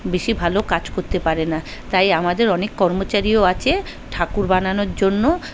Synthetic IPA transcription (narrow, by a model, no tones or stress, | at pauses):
beʃibʱalokad͡ʑkoɾt̪epaɾenat̪ajamad̪eɾɔnekːɔɾmot͡ɕaɾioat͡ɕʰe | ʈʰakuɾbananoɾd͡ʑonːo